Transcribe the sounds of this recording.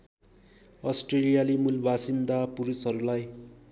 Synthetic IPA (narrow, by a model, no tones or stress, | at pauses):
ʌsʈrelijalimulbʱasind̪apuɾusɦʌɾulaj